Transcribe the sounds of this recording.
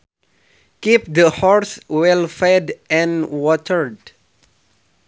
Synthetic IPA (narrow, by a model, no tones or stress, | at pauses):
kip̚d̪əhɔɹswɛlfɛdʔɛ̃nwɔtʰəɹd